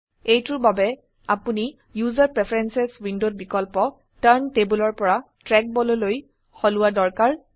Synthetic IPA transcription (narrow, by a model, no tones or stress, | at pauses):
ejtʊɹbabɛ | apuni | juzaɹpɹɛpʰaɹɛnsɛswindot̚bikɔlpɔ | taɹntebulɔɹpɔɹa | tɹɛk̚bɔlɔloj | xɔlʊwadɔɹkaɹ